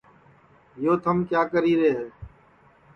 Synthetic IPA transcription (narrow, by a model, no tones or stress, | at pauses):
joːt̪ʰəmkjaːkəɾiːɾeːɦeː